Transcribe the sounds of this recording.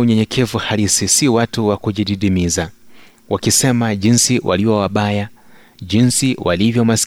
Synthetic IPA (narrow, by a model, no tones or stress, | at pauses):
uɲɛɲɛkʰɛvuhalisisiwatuwakuʄiɗiɗimiza | wʔakisɛmaʄinsiwʔa̰liwawaɓaja | ʄinsiwʔalivjɔmas